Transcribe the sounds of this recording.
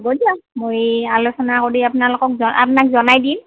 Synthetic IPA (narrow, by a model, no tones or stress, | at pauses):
bodiamojalosɔnakoɹiapʊnalokɔkzɔa̰p̬nakzɔnajdim